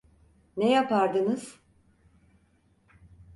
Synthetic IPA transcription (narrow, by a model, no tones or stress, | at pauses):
nejapaɾd̪ɯnɯz̥